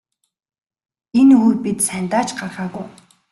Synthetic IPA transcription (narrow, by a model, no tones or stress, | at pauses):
enujpit̪sænʲt̪aːt͡ɕɢarʁaːɣʊj